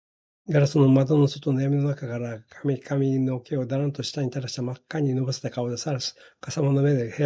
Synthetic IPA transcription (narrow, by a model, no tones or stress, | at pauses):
ɡaɾasɨno̞mad̪o̞no̞sot̪o̞najamʲino̞nakakaɾakʰamʲikʰamʲino̞keod̪aɾãnt̪o̞ɕi̥t̪aɲ̟it̪aɾaɕi̥t̪amakːaɲ̟ino̞bose̥t̪akaod̪asaɾasi̥kasamonome̞d̪ehe